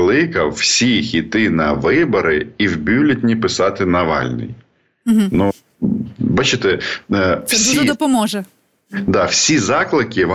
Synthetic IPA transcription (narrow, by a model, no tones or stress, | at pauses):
lˠɪkɐwːsʲixʲit̪ɪnɐʋɪbɐɾɪiwbʲuwlʲɐtʲnʲipɪsɑt̪ɪnɐʋɑ̰lʲnɪ̰j̩ | ɦ̩nu | bɑt͡ʃɪt̪ɛ | wsʲid̪ɔpɔmɔʒɛ | d̪ɑwsʲizɑklˠɪkɪʋɑ